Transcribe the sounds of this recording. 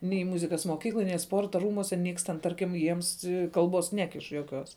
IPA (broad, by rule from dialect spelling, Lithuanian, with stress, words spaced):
nʲɛɪ ˈmʊzʲɪkɐs moːˈkʲiːklˠoːj nʲɛɪ ˈspoːrtɐ ˈruːmuɔsʲɛ ˈnʲiɛks tʲɛn ˈtɐrʲkʲɪm ˈjiɛms ˈkɐlˠbuɔs ˈnʲæːkʲɪʃ juɔˈkʲuɔs